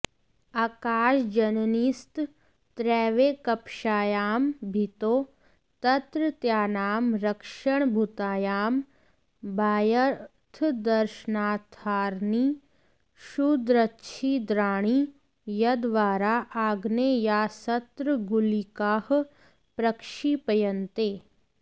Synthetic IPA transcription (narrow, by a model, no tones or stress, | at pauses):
aːkaːʃd͡ʒɐnnist̪ | t̪ɾɛːʋeːkɐpʃaːjaːmbʱɪt̪oː | t̪ɐt̪ɾət̪jaːnaːmɾɐkʃəɳ̃bʱʊt̪aːjaːm | bʱaːjə | t̪ʰd̪ɐɾʃənaːt̪ʰaːɾniː | ʃud̪ɾətːʃʰid̪ɾaːɽ̃i | jɐd̪ʋaːɾaʔaːɡnejaːsɐt̪ɾəɡulikaːh | pɾɐkʃipɐjənt̪eː